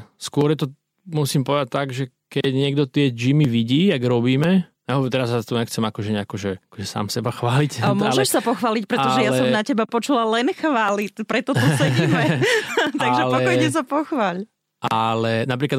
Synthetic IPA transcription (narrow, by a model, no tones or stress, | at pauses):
skʊɔɾjɛt̪ɔ | musiːmpɔʋɛd̪at̚t̪aɡʒɛ | kɛɟɲɪɛɡ̚d̪ɔt̪ɪɛd͡ʒimiʋiɟiːjaɡɾɔbiːmɛ | aɦɔʋt̪ɛɾazat̪ɔɲɛxt͡sɛmakɔʒɛɲɛakɔʒɛakɔʒɛsa̰ːmsɛbaxʋaːlicamɔʒɛʃsapɔxʋaːlic̚pɾɛtɔʒɛjaɛsɔmnacɛbapɔt͡ʃulalɛnxʋaːlipɾɛt̪ɔt̪usɛmɛt̪aɡʒɛlpɔɛkɔjɲɛs̬apɔxʋaːʎ | ʔalɛnapɾiːklad̪